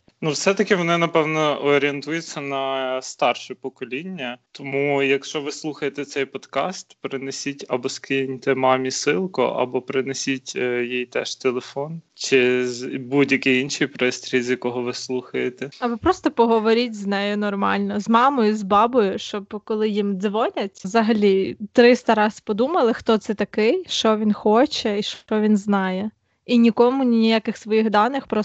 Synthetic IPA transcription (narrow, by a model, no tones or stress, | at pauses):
nuwsɛt̪ɐkʲɪʋɔnɪnɐpɛwnɔɔɾʲɪent̪ujʊt͡sʲːɐnɐst̪ɑrʃɛpɔkɔlʲinʲːɐt̪ɔmujɐkʃt͡ʃɔʋɪslˠuxɐjet̪ɛt̪sɛjpɔd̪kɑ̰st̪pɾɪnesʲitʲɐbɔskɪnʲt̪ɛmɑmʲisɪlˠkʊ̰ʔɐ̰bɔpɾɪnesʲitʲjijt̪ɛʃt̪elˠefɔnt͡ʃɪzbudʲjɐkɪinʃijpɾɪsʲt̪ɾʲilʲzʲjɐkɔɦɔʋɪslˠuxɐjet̪ɛɐbɔpɾɔst̪ɔpɔɦɔʋɔɾʲit̚ʲznɛjʊnɔrmɑ̰lʲnɔzmɑmɔjʊzbɑbɔjʊʃt͡ʃɔbkɔlˠɪjimd̪zʋɔnʲɐtʲzɐɦɐlʲit̪ɾɪst̪ɐɾɑspɔd̪umɐlˠɪxt̪ɔt̪sɛt̪ɐkɪjʃt͡ʃɔʋʲinxɔt͡ʃɛiʃt͡ʃɔʋʲinznɑjɛ | inʲikɔmʊnʲinʲijakɪxsʋɔjiɣd̪ɑnɪxpɾɔ